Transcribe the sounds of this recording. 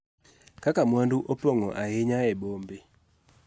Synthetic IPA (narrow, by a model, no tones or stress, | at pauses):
kakamwanduʔopoŋɔʔaɦeɲaɛbombe